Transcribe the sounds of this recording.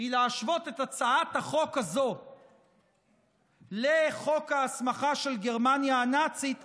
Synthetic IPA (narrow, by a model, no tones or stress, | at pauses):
ileaʃvo̞t̪e̞tat͡saathaχo̞kazo̞ | leχo̞kaːsmaχaʃe̞lɡe̞ʁmanjaːnat͡sit̪